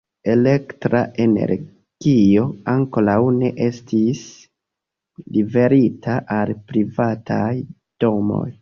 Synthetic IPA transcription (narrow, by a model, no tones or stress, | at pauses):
e̞le̞ktɾa̰ʔene̞̰ɾ | ɡ̥io̞aŋkolawne̞ʔe̞stʰis | live̞ɾitʰaʔalpɾivataj | d̥o̞mo̞̰j